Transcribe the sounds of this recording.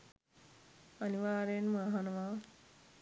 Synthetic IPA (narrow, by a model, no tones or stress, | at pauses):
ɐniʋaːɾenmaɦanɐma